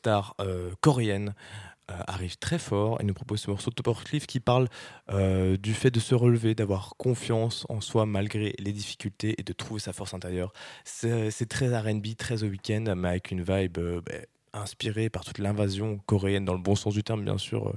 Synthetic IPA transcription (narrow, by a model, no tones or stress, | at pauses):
sst̪aʁøkɔʁeɛnøa̰ʁivt̪χɛfɔʁḛnupχɔpozsəmɔʁsod̪ɔpɔʁklifkʲipaʁlød̪yfɛd̪əsəʁəlved̪avwaʁkɔ̃fjɑ̃sɑ̰̃swamalɡʁeled̪ifi̥kʲylt̪eʔed̪ət̪χuvesafɔʁsɛ̃t̪eʁjœːʁsɛsɛt̪χɛzaʁɛnbit̪χɛzowikʲɛnd̪mɛavɛkʰʲynvajbøbɛ̰ | ɛ̃spiʁepaʁt̪u̥t̪lɛ̃vazjɔ̃kɔʁeɛnd̪ɑ̃ləbɔ̃sɑ̃s̬d̪yt̪ɛʁmbjɛ̰̃sy̰ːʁø̰